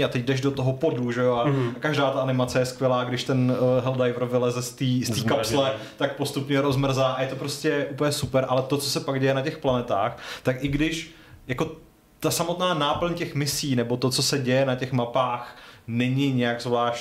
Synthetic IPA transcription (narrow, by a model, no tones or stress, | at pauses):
at̪ɛc̚dɛʒdot̪oɦo̞po̞duʒɛjoaakaʒdaːt̪aʔanɪmat͡sɛjɛskvʲjɛlaːɡdɪʃt̪ɛnɦɛldajvr̩vɪlɛzɛst̪iːst̪iːkapslɛt̪ak̚po̞st̪upɲɛɾo̞zmr̩zaːʔajɛt̪opɾo̞scɛʔupl̩ɲɛsupɛɾʔa̰lɛt̪o̞t͡sosɛpaɡɟɛjɛnacɛxplanɛt̪a̰ːxt̪akʔɪɡdɪʃ | jako̞ | t̪asamo̞t̪naːnaːpl̩ɲcɛxmɪsiːnɛbo̞t̪o̞t͡so̞sɛɟɛjɛnacɛxmapaːxnɛɲɪɲɛjaɡzvlaːʃ